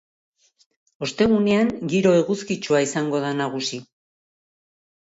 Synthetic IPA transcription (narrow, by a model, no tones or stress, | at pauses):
o̞st̪e̞ɣ̞une̞aŋɡiɾo̞e̞ɣuskit͡ʃuaisaŋɡo̞ðanaɣ̞usi